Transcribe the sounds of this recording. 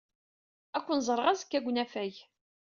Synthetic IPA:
ækʷːənzˤəɾˤʁazkːæɡʷnæfæj

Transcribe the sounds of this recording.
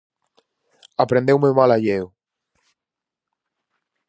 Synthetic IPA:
apɾend̪ewmemalaʎew

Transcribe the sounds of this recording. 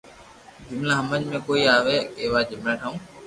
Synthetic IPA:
d͡ʒʊmlãːɦəməd͡ʒmẽːkoːiːaːʋeːkeːʋaːd͡ʒʊmlaːʈʰaũː

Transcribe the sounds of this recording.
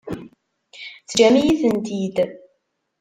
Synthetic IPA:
θd͡ʒæmijiθənt̪id̪

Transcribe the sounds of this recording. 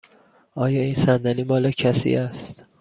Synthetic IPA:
ʔɒːjɒːiːnsænd̪æniːmɒːlecʰæsḭʔæst̪

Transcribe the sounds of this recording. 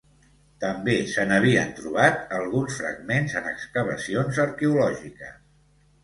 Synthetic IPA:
t̪əmbesənəβ̞iənt̪ɾuβ̞at̪əlˠɣunsfɾə̰ɡmenzənəkskəβ̞ə̰sionzəɾkɛulɔʒikəs

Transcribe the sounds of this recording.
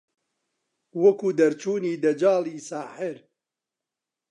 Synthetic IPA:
wɐkuːd̪ɐɾt͡ʃuːniːd̪ɐd͡ʒaːliːsaːħɪɾ

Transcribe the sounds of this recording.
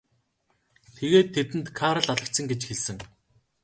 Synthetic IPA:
t̪ʰeɣeːt̪ʰːet̪ɘ̆nt̪kʰaɾə̆ɮaɮə̆kt̪sə̆ŋɡet͡ɕxeɮsɘ̆ŋ

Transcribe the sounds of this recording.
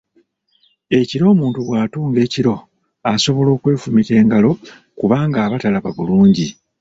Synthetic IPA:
e̞ciɾo̞ːmuːntuβwaːtuːŋɡe̞ːciɾo̞ | aso̞βo̞lo̞ːkwe̞ːfumite̞ːŋɡalo̞ | kuβaːŋɡaːβatalaβaβuluːɲɟi

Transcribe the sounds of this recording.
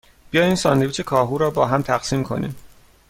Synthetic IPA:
b̥ijɒːjiːnsɒːnd̪eviːt͡ʃʰe̞kʰɒːɦuːɾɒːbɒːɦæmt̪ʰæxsiːmkʰo̞̰nḭːm

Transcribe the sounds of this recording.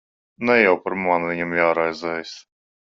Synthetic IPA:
nɛjawpaɾmanvʲiɲamjaːɾajzɛjs

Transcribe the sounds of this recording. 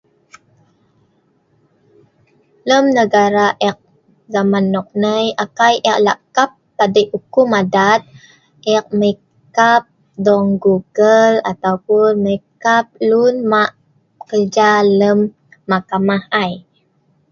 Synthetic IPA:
ləmnəɡaɾaʔɛk̚ | ɡamanɔk̚nəjʔakajʔɛʔ̚la̰kap̚t̪adəʔʔukumadat̪̚ | ʔɛk̚məi | kap̚ | dɔŋɡuɡəla̰t̪awpunməikap̚lunmaʔ | ə̥kərd͡ʒaləmː | akamahaj

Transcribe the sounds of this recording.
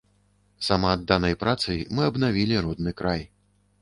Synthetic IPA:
samaːd̪ːanɐjpɾat̪sɨjmɨɐbnavʲilʲiɾɔd̪nɨkɾaj

